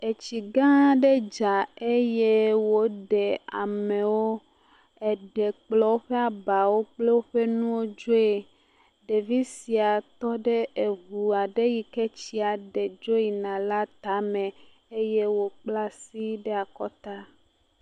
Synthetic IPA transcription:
e˨t͡ɕi˨ɡã˦ɖe˦d͡ʒa˨e˦je˦wo˦ɖɛ˨a̰˨mẽ˨wo˦ | e˨ɖe˨k͡plɔ˦wo˦ɸe˦a˨ba˨wo˦k͡ple˦wo˦ɸe˦nũ˦wo˦d͡ʒo˦e˨ | ɖe˨vi˦si˨a˨t̪ɔ˦ɖe˦ʔe˨βu˨a˨ɖe˦ji˨ke˦t͡ɕi˦a˨ɖe˨d͡ʒo˦ji˨nã˨la˦t̪a˦mɛ̃˨ | e˦je˦wo˦k͡pla˦si˦ɖe˦a˨kɔ˦t̪a˦

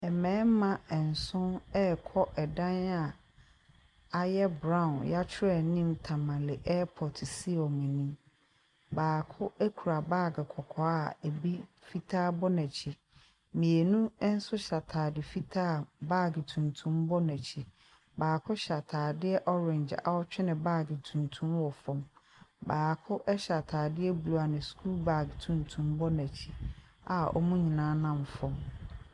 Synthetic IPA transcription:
ɛ˨mɛ̃ː˨˦mã˨ɛ˨n̩˨sʊ̃˦nɛ˦kʰɔ˦ʔɛ˨dã˦na˨ | a˨jɛ˦bɾã˦ʊ̃˨nja˦t͡ɕʰɪ˦ɾɛ˨nĩ˦mtʰã˨mã˨lɪ˨ʔɛ˦pʰɔ˨tʰsi˦ɔ˨mɛ̃˨nĩ˦m | baː˨kʰʊ˦ɛ˦kʰu˨ɾa˨baː˦˨ɡɪ˨kʰɔ˨kʰɔ˨a˦˨e˨bi˦fi˦tʰaː˦bɔ˦næ̃˨t͡ɕʰi˨ | mĩ˨e˨nũ˦n̩˦sʊ˦ɕa˨tʰaː˨dɪ˨fi˦tʰaː˦˨ba˦˨ɡtʰũ˨ntʰũ˦mbɔ˦næ˨t͡ɕʰi˨ | baː˨kʰʊ˦ɕa˨tʰaː˨dɪ˦ɛ˦ʔɔ˦ɾɛ̃˨ɲd͡ʑa̰˨ɔ˦t͡ɕᶣɪ˦nɪ̃˨baː˦ɡɪ˨tʰũ˨ntʰũ˦mwɔ˨fɔ̃˦m | baː˨kʰʊ˦ʔɛ˦ɕa˨tʰaː˨dɪ˦ɛ˦bu˨lu˨a˨nɪ̃˨skʰu˦lba˦˨ɡtʰũ˨ntʰũ˦mbɔ˦næ̃˨t͡ɕʰi˨a˨ɔ̰˦mũ˦ɲĩ˨nãː˦nã˦˨m˨fɔ̃˦m

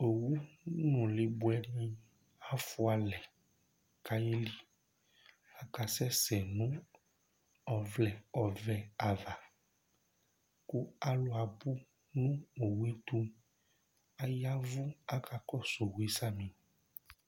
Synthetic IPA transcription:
o˨wu˦nũ˨le˨bu˨˦ɛ˦ɖĩ˦ | a˦fu˦a˨lɛ˨ | ka˦je˦li˦ | a˨ka˨sɛ˦sɛ˨nũ˦ | ɔ˨vlɛ˨ɔ˨vɛ˨a˨va˨ | ku˦a˦lo˦a˨bu˦ | nũ˦o˨we˦t̪u˦ | a˦ja˦vu˦a˦ka˨kɔ˦so˨we˦sa˦mĩ˨

